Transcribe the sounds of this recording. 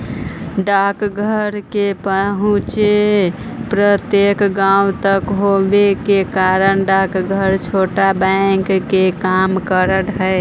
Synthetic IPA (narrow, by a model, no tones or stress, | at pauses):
ɖakɡʱəɾkepəɦũt͡ʃe | pɾət̪jekɡawt̪əkɦobekekaɾənɖakɡʱəɾt͡ʃʰoʈabəŋkːekamkəɾəʈɦəe